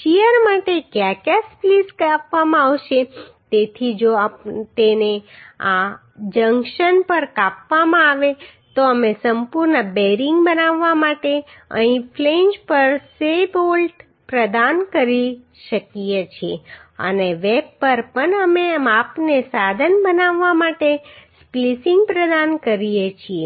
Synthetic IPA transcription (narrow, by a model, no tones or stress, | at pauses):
ʃijəɾmaʈekjakaspliskapʋamãaʋʃet̪et̪ʰid͡ʒot̪enea | d͡ʒəŋɡʃənpəɾkapʋamãaʋet̪oəmesəmpuɾnəbeɾiŋɡbənaʋːamaʈeə̰̃ĩpʰleɲd͡ʒpəɾsebolʈ | pɾəd̪ankəɾi | ʃəkijet͡ʃʰieə̰neʋebpəɾpəɳəmemapnesad̪ʱənbənaʋːamaʈesplisiŋɡpɾəd̪ankəɾijet͡ʃʰie